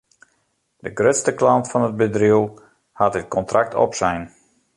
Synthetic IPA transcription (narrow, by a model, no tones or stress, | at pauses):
dəɡrøtstəklɑntfɔnəd̚bədrilˠ | hatət̚kɔntrʔak̚tʰɔ̰psɛjn